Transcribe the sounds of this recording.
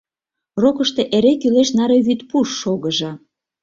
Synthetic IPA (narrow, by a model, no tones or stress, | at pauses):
rokəʃt̪eʔeɾekyleʃnɑɾeβyt̪puʃːoɣəʒɑ